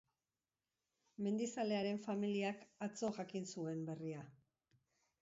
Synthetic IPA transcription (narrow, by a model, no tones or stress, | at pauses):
me̞nd̪isale̞aɾe̞ɱfamiliakat͡so̞ʝakinsue̞mbe̞ria